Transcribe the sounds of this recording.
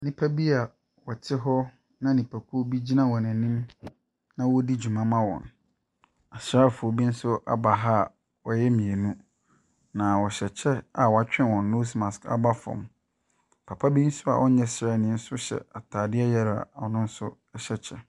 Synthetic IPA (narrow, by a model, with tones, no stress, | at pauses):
nĩ˨pʰa˦bi˦a˨ | wɔ˨tʰɪ˦ɦɔ˦ | nã˦nĩ˨pʰa˨kʰu˦o˦bi˦d͡ʑi˦nã˦˨wɔ˨næ̃˨nĩ˦m | nã˦wɔ˦di˦d͡ʑu˨mã˦mã˦wɔ̰̃˨n | a˨sɾa˦˨fʊ˨o˨bi˦n̩˦sʊ˦ʔa̰˨ba˨ɦa˦˨ | wɔ˨jɛ˦mĩ˨e˨nũ˦ | nã˨wɔ˨ɕɛ˨t͡ɕʰɛ˦a˨wɔ˨a˨t͡ɕᶣɪ̃˦nwɔ̃˨nːo˦smã˨ska̰˦ba˦fɔ̰̃˨m | pʰa˨pʰa˦bi˦n̩˦sʊ˦a̰˨ʔɔ˦ɲɛ̃˦sɾa˦˨nɪ̃˨˦n̩˦sʊ˦ɕɛ̰˨a˨tʰaː˨dɪ˦ɛ˦jɛ˦ɾ̰a˨nʊ̃˦n̩˦sʊ˦ | ɛ˦ɕɛ˦˨t͡ɕʰɛ˦